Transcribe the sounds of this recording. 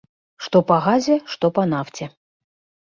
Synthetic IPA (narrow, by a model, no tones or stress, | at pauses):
ʂt̪ɔpɐɣazʲɛʂt̪ɔpɐnaft͡sʲɛ